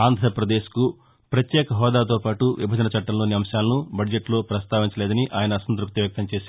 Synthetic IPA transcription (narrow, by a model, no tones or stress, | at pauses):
aːnd̪ʱɾɐpɾɐd̪e̞ːʃku | pɾɐt̪jɛːkɐɦɔːd̪aːt̪̬o̞ːpaːʈuʋʔibʱɐd͡ʒɐnɐt͡ʃɐʈːɐmlo̞ːniɐmʃaːlɐnubɐd͡ʒeʈlo̞ːpɾɐst̪aːʋiɲt͡ʃɐleːd̪ɐniʔaːjɐnɐːsɐnt̪ɾuk̚t̪ɐʋjɐk̚t̪ɐmt͡ʃeːsaː